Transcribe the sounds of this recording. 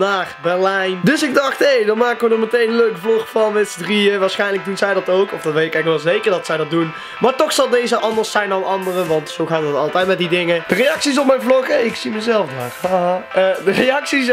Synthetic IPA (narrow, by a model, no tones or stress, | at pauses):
naːrbɛɹlɛjndɵsɪɡ̚dɑχtɦejdɑnmaːkəʋənɔmətejnənløɥkəvlɔχfɑnʋɛtsədriəʋaːɹsχɛjnləɡ̚dunzɛjdɑtowkɔfdɑtʋejtɪkɛxʋɛlˠzejkəɹdɑtsɛjdɑt̚dun | maːɹtɔxsɑlˠdejzəʔɑndəɹsɛjndɑnɑndərəʋɑntsowɣaːtədətɑlˠtɛjtmɛt̚didɪŋəd̥ərejɑksis̬ɔp̚mɛjnvlɔχɛɪksiməzɛlˠfda̰ːrhaɦaədərejɑksis